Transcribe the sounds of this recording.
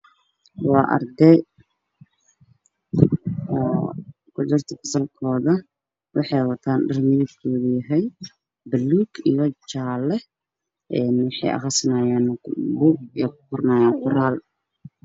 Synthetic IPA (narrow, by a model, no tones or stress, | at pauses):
wɑːʔɐ̰rd̪ɛ | ɔː | kʰʊd͡ʒʊrt̪ʰɐfɐ̥sɐlkʰɔːðɐ | wɑħɑjwɐt̪ʰaːnɖɐrmɪðɪkʰɔːðɐjɐɦɛj | bɐluːɡḭjɔt͡ʃaːlɛ | ʔɛnwɑħɑ̰jʔɐ̰χɑsɐnaːjaːnbuɡikʰʊ̥kʊrnaːjaːŋkʰʊraːl